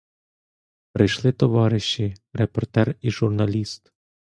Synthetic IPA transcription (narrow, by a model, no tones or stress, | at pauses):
pɾɪjʃlˠɪt̪ɔʋɑɾɪʃːiɾepɔrt̪ɛriʒurnɐlʲist̪